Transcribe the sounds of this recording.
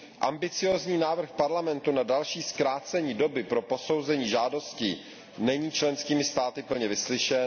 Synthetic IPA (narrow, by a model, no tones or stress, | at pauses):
ʔa̰mbɪt͡sɪjoːzɲiːnaːvr̩xpaɾlamɛnt̪unadalʃiːskɾaːt͡sɛɲiːdo̞bɪpɾo̞po̞so̞wzɛɲiːʒaːdo̞scɪ | nɛɲiːt͡ʃlɛnskiːmɪst̪aːt̪ɪpl̩ɲɛvɪslɪʃɛn